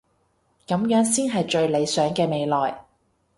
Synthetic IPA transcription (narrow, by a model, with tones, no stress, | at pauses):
kɐ˨˧˥mjœː˨˥ŋsiː˥nɦɐ˨jt͡ʃɵ˧ɥle˨˧jsœː˨˥ŋkɛː˧me˨˧jlɔː˨j